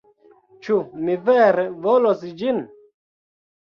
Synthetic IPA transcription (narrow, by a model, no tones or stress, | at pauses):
t͡ʃumiveːɾevolosd͡ʒin